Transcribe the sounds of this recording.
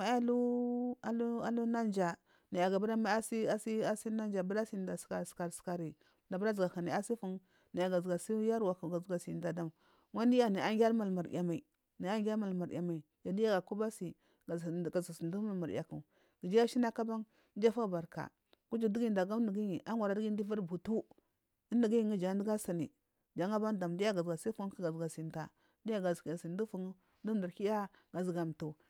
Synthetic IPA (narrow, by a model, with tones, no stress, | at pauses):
ma˨˦a˦lu˦a˨lu˦a˦lu˦na˦nd͡ʒa˨ | na˨ja˨ɡa˨ba˦ɾa˦ma˨˦a˦si˦a˦si˦a˦si˦na˦n˦d͡ʒa˨ba˦ɾa˦si˦˨˦da˨sa˨ska˨ɾska˨ɾi˨ | da˨ba˦ɾa˦zɡa˨ka˨ni˨a˦si˦fu˦n | na˨ja˨ɡa˨zɡa˨si˦ja˦ɾwa˨ku˨ɡa˨zɡa˨si˨da˨da˨m˨ | wa˦ndi˦ja˦ni˨a˦ŋɡʲa˦ɾma˨lma˨ɾḭ˨ja˨ma˨i˨ | ni˨a˦ŋɡʲa˦ɾma˨lma˨ɾ̰a˨ma˨i˨ja˨di˦ja˦ɡa˨ku˦ba˦si˨ | ɡa˨za˨si˨n˦du˦ma˦lma˨ɾ̰ja˨ku˨ | ɡ̥ə˨d͡ʒi˦a˦ʃi˦na˦ka˦ba˦ŋ˦ | n˦d͡ʒa˦fa˦˨ba˨ɾka̰˨ | ɡ̥u˦d͡ʒi˨di˦ɡi˦˨da˨ɡa˦m˦ndə˨ɡi˦i˨ʔa˦ŋwa˨ɾa˨˦di˦ɡi˦di˦va˦ɾbu˨tu˦ | i˦ndi˨ɡi˦ji˨ŋi˦d͡ʒa˨˦di˦ɡa˦sa˨nḭ˨ | d͡ʒa˨˦ŋa˦ba˦nda˨mdi˦ja˦ɡa˨zɡa˨sa˦fu˦ki˦ɡa˨zɡa˨si˨nta˨ | di˦ja˦ɡa˨zki˨ja˨si˨n˦du˦fu˨ŋu˦ | du˦m˦da˨ɾki˦ja˦ɡ̥a˨zɡa˨m˨tu˨